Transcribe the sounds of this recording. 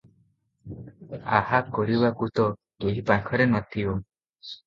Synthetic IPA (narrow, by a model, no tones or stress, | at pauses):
a̰hakɔɾibakut̪ɔ | keɦipaŋkʰɔɾenɔt̪ʰio